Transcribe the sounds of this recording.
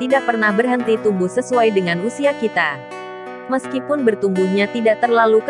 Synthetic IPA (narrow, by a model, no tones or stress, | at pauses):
t̪idaʔ̚pərnahbərɦənt̪it̪umbʊhsəsuajdəŋanusiakit̪a | məskipʊnbərt̪umbuhɲat̪idaʔ̚t̪ərlaluk